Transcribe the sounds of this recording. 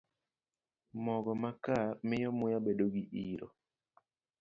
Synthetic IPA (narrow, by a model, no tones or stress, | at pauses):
mɔɡɔmakamɪjɔmʊjabedoɡiʔiɾɔ̰